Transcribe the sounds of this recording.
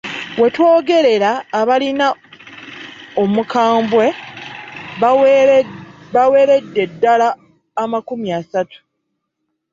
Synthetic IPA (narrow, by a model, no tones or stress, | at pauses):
we̞two̞ːɡe̞ɾe̞ɾaːβalina | omukaːmbwe̞ | awe̞ːɾe̞dːe̞dːalaː | makumiasatu̥